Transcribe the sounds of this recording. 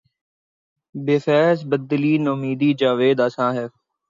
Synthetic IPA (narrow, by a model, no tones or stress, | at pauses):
beːfɛːzbəd̪ːəliːnomiːd̪iːd͡ʒaːʋeːd̪aːsãːɦɛː